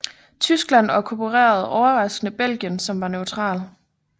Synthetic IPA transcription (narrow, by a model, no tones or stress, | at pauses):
t͡sʰysɡ̥læn̰ɑkʰopʰuʁɛ̰ːɐð̞̩ˠɒʊɐʁɑ̈sɡ̥nəb̥el̰ɡ̥jənsɒ̽mʋɑ̈nøʊt͡sʰʁɑ̰̈ːl